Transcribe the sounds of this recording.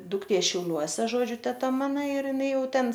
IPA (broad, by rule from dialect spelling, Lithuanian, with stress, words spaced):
dʊkˈtʲeː ʃʲɛʊˈlʲuɔsʲɛ ˈʒoːd͡ʒʲʊ tʲɛˈtɐ ˈmɑːnɐ ɪr jɪˈnɐɪ ˈjɛʊ ˈtʲɛn